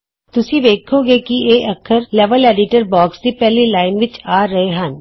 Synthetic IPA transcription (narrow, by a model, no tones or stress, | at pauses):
t̪ʊsĩʋeːkʰːoɡeːkieːʔɐkʰːəɾlɛːʋəleːɖɪʈəɾbɔːksd̪ipɛːlilaːɪnʋɪt͡ʃaːɾɐɦeɦɐn